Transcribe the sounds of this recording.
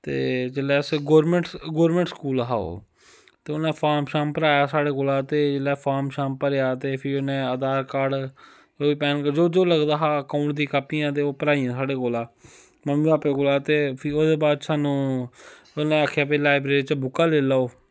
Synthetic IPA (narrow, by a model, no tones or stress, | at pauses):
t̪ḛːd͡ʒeːlɛːsɡoːɾmẽɳʈɡoːɾmẽːɳʈskuːlɦaːo̰ː | t̪eːʊnẽːpʰaːmʃaːmpəɾaːjaːsaːɽeːkoːlaːt̪eːd͡ʒelɛːpʰaːɾmʃaːmpəɾejaːt̪eːpʰɪoːnẽːəd̪aːɾkaːɽ | oːiːpɛːnkd͡ʒoːd͡ʒoːləɡd̪aːɦaːəkaːʊɳʈd̪iːkaːpijãːt̪̬eːoːpəɾaːijãːsaːɽeːkoːlaː | məmĩːaːpeːkoːlaːt̪eːpʰːod̪eːbaːd̪saːnũː | onẽːaːkʰjaːpeːlaːɪbɾeːɾiːt͡ʃbʊkːaːleːlaːoː